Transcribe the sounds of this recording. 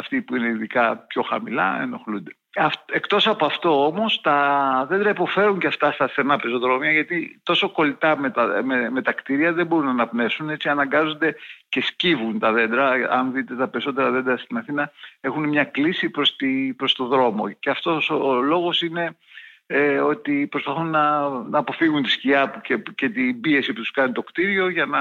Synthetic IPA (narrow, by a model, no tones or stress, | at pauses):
ɐft̪ipuineiðikɐpço̞xɐ̰milɐ̰ḛno̞xlund̪e̞̥ | ɐfekt̪o̞sɐpoɐft̪o̞o̞mo̞st̪ɐðe̞nd̪ɾɐipo̞fe̞ɾuɲceɐft̪ɐst̪ɐst̪enɐpezoðɾomiɐʝɐt̪it̪o̞so̞ko̞lit̪ɐmet̪ɐmeme̞t̪ɐkt̪iɾiɐðe̞mbo̞ɾunɐːnɐpne̞fsune̞t͡siɐnɐŋɡɐzo̞nd̪e̞ce̞scivunt̪ɐðe̞nd̪ɾɐɐ̰nðit̪e̞t̪ɐpe̞ɾiso̞t̪e̞ɾɐðe̞nd̪ɾɐst̪inɐθinɐe̞xunemɲɐklisipɾost̪ipɾo̞st̪o̞ðɾo̞mo̞̰ceɐft̪o̞solo̞ɣo̞sine̞ | eo̞t̪ipɾo̞spɐθunːɐnɐːpo̞fiɣunt̪i̥sciɐpucece̞t̪ibie̞siput̪u̥skɐnit̪okt̪iɾio̞ʝɐnɐ